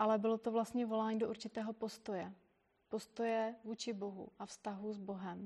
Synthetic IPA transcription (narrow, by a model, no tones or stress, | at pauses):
ʔalɛbɪlo̞t̪ovlast̪ɲɛvo̞laːɲiːdo̞ʔuɾt͡ʃɪt̪ɛːɦo̞po̞st̪o̞jɛ | po̞st̪o̞jɛvuːt͡ʃɪbo̞ɦṵʔafst̪aɦuzbo̞ɦɛm